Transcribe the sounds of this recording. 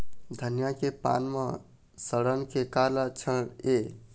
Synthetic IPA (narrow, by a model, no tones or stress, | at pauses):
d̪ʱənjakepa̰nme | səɽənkekaɾlat͡ʃʰəne